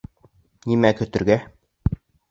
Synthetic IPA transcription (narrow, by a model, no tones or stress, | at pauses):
nimækɵ̆t̪ɵ̆ɾɡæ